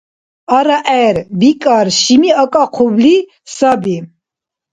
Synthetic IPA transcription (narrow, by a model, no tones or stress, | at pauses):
aɾaʔɛɾbikʼaɾʃimiakʼaqʰubli | sabi